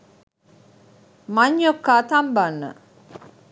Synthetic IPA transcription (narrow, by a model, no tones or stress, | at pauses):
maɲjokːat̪ambanːə̰